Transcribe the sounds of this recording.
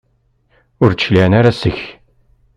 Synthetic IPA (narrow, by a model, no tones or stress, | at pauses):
ʊɾliænaɾasəç